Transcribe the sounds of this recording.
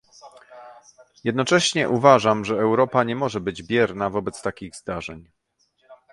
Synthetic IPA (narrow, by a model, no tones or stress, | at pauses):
jɛd̪nɔt͡ʂɛɕɲɛʔuvaʐamʐɛːwɾɔpaɲɛmɔʐɛbɘd͡ʑbʲjɛɾnavɔbɛt̪st̪akʲiɣzd̪aʐɛɲ